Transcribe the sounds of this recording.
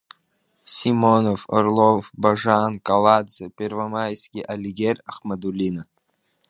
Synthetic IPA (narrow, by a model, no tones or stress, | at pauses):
sʲimonovɔ̰rlˠovbaʐankalˠad̪zɨpʲervamajskʲiʔalʲiɡʲeraχmad̪ulʲina